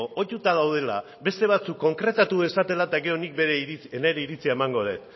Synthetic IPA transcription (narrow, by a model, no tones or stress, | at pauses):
oo̞tut̪að̞awð̞e̞la̰ | be̞st̪e̞β̞at͡sukːo̞ŋkɾe̞t̪at̪ue̞sat̪e̞lat̪aɣe̞ɾo̞nik̚beɾeeneɾe̞iɾit͡siaemaŋɡo̞ðe̞̰t̪